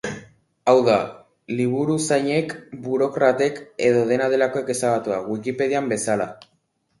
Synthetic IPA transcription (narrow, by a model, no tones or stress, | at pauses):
awða | liβ̞uɾusajɲe̞kbuɾo̞kɾat̪e̞ke̞ð̞o̞ð̞e̞nað̞e̞lako̞e̞ke̞saɣat̪uaɣwikipe̞ð̞iambe̞sala